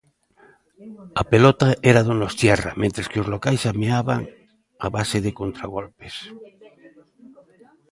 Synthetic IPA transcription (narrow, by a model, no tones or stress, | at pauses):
apelot̪aeɾaðonost̪jɛra̰mẽnt̪ɾeskeozlokajsameaβaŋ | a̰βaseðekont̪ɾaɣolpes